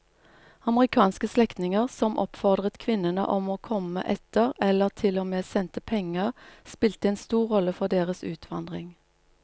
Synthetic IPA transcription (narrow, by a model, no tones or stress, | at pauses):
ɑməʁɪkʰɑːnskəslɛkt̪nɪŋəʁsɔmʔɔ̰pfɔʁd̪ʁət̪kʰʋɪnənə̰ʔɔmoːkʰɔmə̰ʔɛt̪əʁɛləʁt̪ʰɪlɔmeːsɛnt̪əpʰɛŋəʁspɪlt̪əeːnst̪uːʁʁɔləfɔʁd̪eːʁəsʉ̰ːt̪ʰʋɑ̰nd̪ʁɪŋ